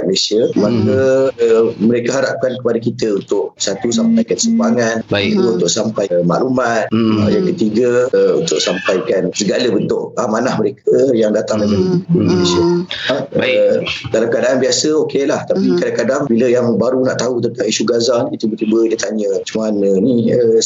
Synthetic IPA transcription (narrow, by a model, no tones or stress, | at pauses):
t̪̚məlesiəmakə | məɾekaɦaɾap̚kankəpadakit̪əunt̪ʊʔ̚sat̪usampajkansəaŋanaubunt̪ʊʔsampajma̰ʔlumat̪̚ajakət̪iɡəṵnt̪ʊʔsampajkansəɡaləbənt̪ʊʔamanahməɾekʰəjaŋdat̪aŋdajpadəkikuindonesia | badalamkəadaʔːnbiasəokelaht̪apikadaŋkadaŋbiləjaŋbaɾuna̰ʔt̪aut̪ənt̪aŋisuɡazanit̪ubərt̪ibədət̪aɲə̃t͡ʃəmanəniə